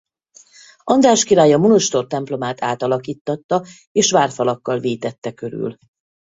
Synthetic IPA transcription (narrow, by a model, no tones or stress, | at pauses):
ʔɒnd̪aːʃkiɾaːjɒmunoʃt̪o̞rt̪ɛmplo̞maːt̪aːt̪ɒlɒkiːt̪ːɒt̪ːɒ | eːʃʋaːrfɒlɒkːɒlveːt̪ɛt̪ːɛkø̞ɾy̰l